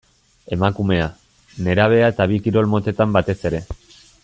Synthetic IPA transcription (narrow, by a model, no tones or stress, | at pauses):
e̞makume̞a | ne̞ɾaβ̞e̞aet̪aβ̞ikiɾo̞lmo̞t̪e̞t̪ambat̪e̞se̞ɾe̞